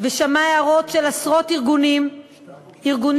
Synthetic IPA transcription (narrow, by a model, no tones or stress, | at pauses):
veʃamaeaʁo̞tʃelasʁo̞tiʁɡuni | iʁɡun